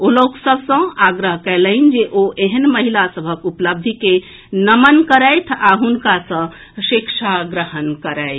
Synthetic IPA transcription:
oloksəbʱsə̃aɡɾəɦkɛləɪnd͡ʒeʔoʔeɦənməɦilasəbʱəkupləb̚d̪ʱike | nəmənkəɾɛjt̪ʰaɦunkasə̃ | sikt͡ʃʰaɡɾəɦənkəɾɛɪt̪ʰ

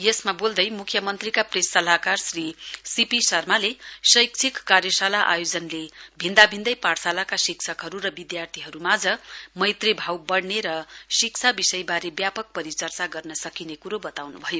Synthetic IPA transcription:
jesmabold̪ʌjmukʰjʌmʌnt̪rikapresːʌlakarsrisipisʌrmalesʌjk̚t͡sʰikːarjʌsalaʔa̰jod͡zʌnlebʱind̪abʱind̪ʌjpaɽsalakasiksʰʌkɦʌɾuɾʌbid̪jart̪ʰiɦʌɾumad͡zʌmʌjt̪rebʱawbʌɽneɾʌsik̚t͡sʰabisʌjbaɾebjapʌk̚pʌɾit͡sʌrt͡saɡʌrnʌsʌkinekuɾobʌt̪awnubʱʌjo

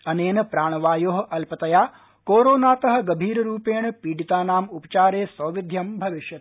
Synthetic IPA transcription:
ɐneːnɐpɾaːɳɐʋaːjoːɦɐʔɐlpɐt̪ɐjaː | koːɾoːnaːt̪ɐɦɐ̆ɡɐbʱiːɾɐɾuːpeːɳɐpiːɽit̪aːnaːmupɐ̥t͡ʃaːɾeːsʋɐʋid̪ʱjɐmbʱɐʋiʃjɐt̪

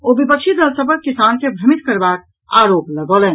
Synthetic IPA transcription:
obipəkt͡ʃʰid̪əlsəp̬əɾkisankebʱɾəmit̪kəɾbak̚ | aɾopləɡɔlɛn

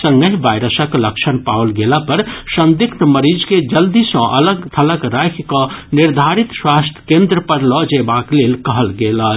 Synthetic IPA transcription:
səŋɡəɦibajɾəsəkləkt͡ʃʰənpawəlɡelapəɾsə̃nd̪ikʰt̪məɾid͡ʒked͡ʒəld̪isə̃ʔə̰ləɡt̪ʰələɡɾajkʰkəniɾd̪ʱaɾit̪swast̪ʰjə̥kẽnd̪ɾəpəɾlɔd͡ʒebaklelkəɦəlɡelə

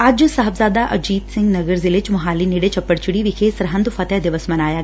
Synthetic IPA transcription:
aːd͡ʒsɐɦəbzaːd̪aʔɐd͡ʒiːd̪sɪ̃ŋɡnɐɡəɾzɪlet͡ʃmʊɦaːlineɽet͡ʃɐpːəɽt͡ʃɪɽiʋɪkʰeːsɾɐɦɐ̃nd̪ufɐt̪ɛɦd̪ɪʋəsmɐnaːjaː

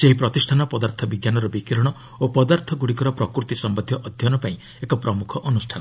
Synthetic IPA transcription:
seɦipɾɔt̪isʈʰanɔpɔd̪aɾt̪ʰɔbiɡjanɔɾɔbikiɾɔɽ̃ɔ | opɔd̪aɾt̪ʰɔɡuɽikɔɾɔpɾɔkɾut̪isɔmbɔd̪ʱjɔʔɔd̪ʱjɔnɔpaĩ | ekɔpɾɔmukʰɔʔɔnusʈʰanɔ

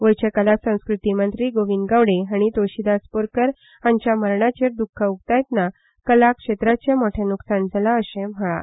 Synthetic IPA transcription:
ʋəjt͡ɕekəlasə̃w̃skɾut̪imənt̪ɾiːɡoʋind̪ɡaʋɽeɦaɽ̃it̪oɕid̪aspoɾkəɾ | aɲt͡ɕjaməɾɳat͡ɕeɾd̪ukʰːəukt̪ajt̪na | kəlakʂet̪ɾat͡ɕjamoʈʰjenuksand͡zʱalaəɕẽməɭa̰

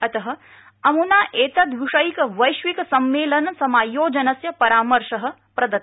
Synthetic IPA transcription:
ɐt̪ɐɦɐ̆ | ɐmunaːʔeːt̪ɐd̪ʋiʂɐjikɐʋɐjʃʋikɐsɐmːeːlɐnɐsɐmaːjoːd͡ʒɐnɐsjɐpɐɾaːmɐɾʃɐɦɐ̆ | pɾɐd̪ɐt̪

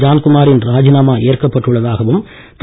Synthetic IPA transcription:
d͡ʒaːnkʊmaːɾɪnɾaːd͡ʒɪnaːmaːʔeːrkɐpːɐʈːɯɭːɐðaːɣɐʋɯm | t̪

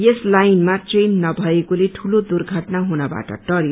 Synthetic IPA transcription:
jeslajnmat͡senːʌbʱʌekoleʈʰulod̪urɡʱʌʈnaɦunʌba̰ʈʌ̰ʈʌɾj

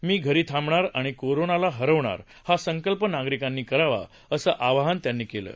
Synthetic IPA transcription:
miːɡʱəɾiːt̪ʰãmbɳaɾaɽ̃ikoɾonalaɦəɾəʋɳa̰ɾ | hasəŋkəlpənaɡɾikanːiːkəɾaʋa̰ | əsəːʔaʋaɦənt̪janːiːkelə̰ː

